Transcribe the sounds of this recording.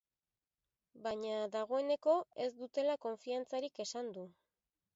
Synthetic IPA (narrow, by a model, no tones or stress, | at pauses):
baɲaðaɣ̞o̞e̞ne̞ko̞e̞zd̪ut̪e̞lako̞ɱfiant͡saɾike̞sand̪u